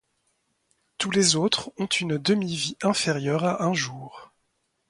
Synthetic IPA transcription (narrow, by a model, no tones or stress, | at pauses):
t̪ulezot̪χɔ̃t̪ʰynd̪əmiviʔɛ̃feʁjœʁaʔɛ̃ʒuːʁ